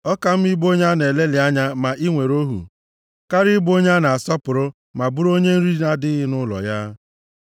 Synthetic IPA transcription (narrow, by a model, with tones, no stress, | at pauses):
ɔ˦ka˦m̩˦i˦bo˦ɲa˦ne˨le˦lɪ˨a˦ɲa˦ma˨ʔi˦ŋʷe˨ɾo˦ɦṵ˨ | ka˦ɾi˦bo˦ɲa˦na˨a˨sɔ˦pʊ˨ɾʊ˦ | ma˨bu˦ɾo˦ɲe˦n̩˦ɾi˦na˨dɪ˦ɦɪ˦nʊ˦lɔ̰˨ja˦